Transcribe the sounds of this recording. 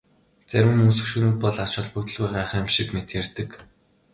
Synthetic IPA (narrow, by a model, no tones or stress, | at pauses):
t͡sæɾʲwɘ̆mɵsɵ̆xʃɵɾɘ̆ːt̪̚pɔɮḁt͡ɕɔ̆ɮpɵt̪ɵ̆ɮwæːʁaːχĕmʃikmet̪jært̪ɘ̆k